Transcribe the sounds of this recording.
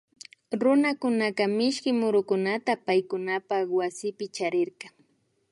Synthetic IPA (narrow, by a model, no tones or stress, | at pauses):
ɾʊnakʊnakamɪʃkɪmʊɾʊkʊnat̪apajkʊnapawasɪpɪt͡ʃaɾɪɾqɑ